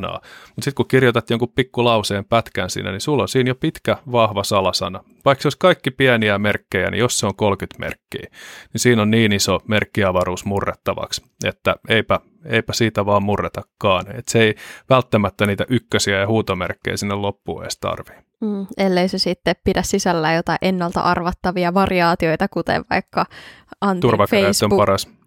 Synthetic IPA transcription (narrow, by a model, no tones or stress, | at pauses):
nɑ̰ːmut̪sit̪kukirjot̪ɑt̪joŋkuppikːulɑuseːmpæt̪kænsḭːnːæ̰nisulːonsiːnjopit̪kæʋɑhʋɑsɑlɑsɑ̰nɑ | ʋɑikseoiskɑikːipiæniæmerkːejæ̰nḭjosseoŋkolkyt̪mḛrkːḭːnisiːnonniːnisomerkːiɑʋɑɾuːsmurːet̪ːɑʋɑ̰ks | et̪ːæeipæ | eipæsiːt̪æʋɑːmmurːet̪ɑkːɑːnet̪seiʋælt̪ːæmæt̪ːæniːt̪æʔykːøsiæjɑhuːt̪omḛrkːḛjsinːellopːṵḛːst̪ɑ̰rʋi̥ː | elːeisesit̪ːeppidæssisælːæjot̪ɑiʔenːɑlt̪ɑ̰ʔɑrʋɑt̪ːɑʋiɑʋɑriɑːt̪ioit̪ɑkut̪ḛʋʋɑikːɑɑnt̪t̪urʋɑket̪ːøomppɑɾɑs